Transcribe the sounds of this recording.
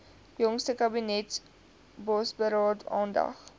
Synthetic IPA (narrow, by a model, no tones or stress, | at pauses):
jɔŋstəkɐbinɛt | bɔsbəɾɑːtɑ̰ːndɐ̰χ